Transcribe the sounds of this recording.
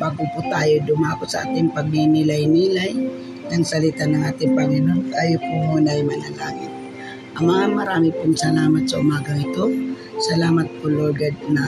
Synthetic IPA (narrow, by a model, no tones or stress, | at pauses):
baɡʊpʊt̪aːjod̪ʊmakʊsɐʔa̰ːt̪ɪŋpɐɡ̚minɪlajniːlaj | d̪ɐŋsɐlɪt̪anɐŋaːt̪ɪŋpɐŋɪnonkajopʊmunajmanalaːŋɪt̪̚ | ʔɐŋmɐŋamɐɾaːmɪpʊŋsɐlaːmat̪̚sɐʊmaːɡaŋɪt̪o | sɐlaːmat̪̚kʊloɡad̪̚na